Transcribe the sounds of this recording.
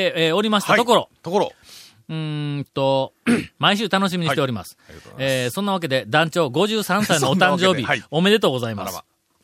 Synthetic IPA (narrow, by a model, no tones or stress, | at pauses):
eo̞ɾʲimaɕi̥t̪atoko̞ɾo̞ | ɯ̃t̪o̞maiɕ̬ɨːt̪ano̞ɕ̬imʲiɲit̪e̞oɾima̰sɨ̥esõ̞nːaβak̬e̞d̪e̞d̪ãɲt͡ɕo̞ːɡo̞ʑɨːsãɰ̃sainoːt̪ãɲd͡ʑo̞ːbʲio̞me̞d̪e̞t̪oːɡo̞zaima̰s